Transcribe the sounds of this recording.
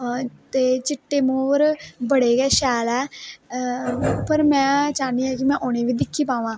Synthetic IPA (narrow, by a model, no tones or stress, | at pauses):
t̪eːt͡ʃɪʈːeːmoːɾbəɽeːkɛːʃɛːlɛː | pəɾmɛ̃ːt͡ʃaːniːɛːkɪmɛ̃ːʔoːñeːʋiːd̪ɪkʰːiːpãːʋãː